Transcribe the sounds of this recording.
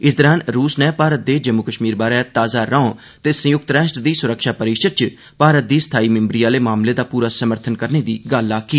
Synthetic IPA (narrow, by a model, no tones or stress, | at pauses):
ɪsd̪əɾãːnɾuːsnɛ̃ːpaːɾət̪̚d̪eːd͡ʒəmːukəʃmiːɾbaːɾaːt̪aːzaːɾãːõ | t̪eːsə̃jʊk̚t̪ɾɛːʃʈd̪iːsʊɾəkʃaːpəɾiːʃəd̪̚t͡ʃ | paːɾət̪̚d̪iːsə̥t̪ʰaːiːmɪmbɾijaːleːmaːmleːd̪aːpuːɾaːsəməɾt̪ʰənkəɾneːd̪iːɡalːaːkːiː